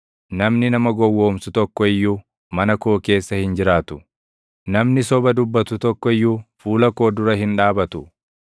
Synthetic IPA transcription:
nɐmnɪnɐmɐɡɔwːo̞ːmsʊt̪ɔkːɔɪjːu | mɐnɐko̞ːke̞ːsːɐhɪnd͡ʒɪɾaːt̪ʊ | nɐmnɪsɔbɐd̪ʊbːɐt̪ʊt̪ɔkːɔɪjːuːfuːlɐko̞ːd̪ʊɾɐhɪnᶑaːbɐt̪ʊ

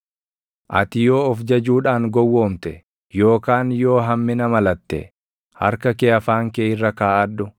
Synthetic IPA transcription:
ʔɐ̰t̪ɪjo̞ːɔfd͡ʒɐd͡ʒuːᶑaːŋɡɔwːo̞ːmt̪ɛ | jo̞ːkaːnjo̞ːɦɐmːɪnɐmɐlɐt̪ːɛ̰ | hɐ̰ɾkɐkeːɐfaːŋkeːɪrːɐkaːʔɐd̪ːʊ

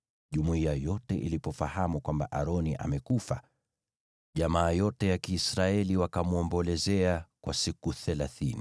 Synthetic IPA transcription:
ʄumuiajɔtɛʔḭlipɔfahamukwambaʔaɾɔniʔa̰mɛkufa̰ | ʄamaːjɔtɛjakiːsɾaɛliwakamuɔmbɔlɛzɛakwʔasikuθɛlaθini

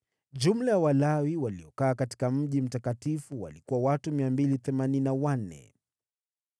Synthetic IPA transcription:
ʄum̩lajawalawiwaliɔkaːkati̥kam̩ʄim̩takatifuwa̰likuwawatumiambiliθɛmaninawan̩ɛ̰

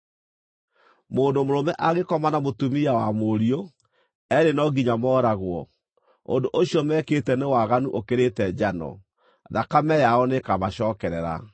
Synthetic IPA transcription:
moːndomoɾomɛʔaɣekɔmanamotumiawamoɾio | ɛɾenɔɡiɲamɔːɾaɣwɔ | o̰ndoʔoɕjɔmɛketɛnewaɣanuʔokeɾetɛd͡ʑanɔ̰ | ðakamɛjaɔnekamaɕɔːkɛɾɛɾa̰

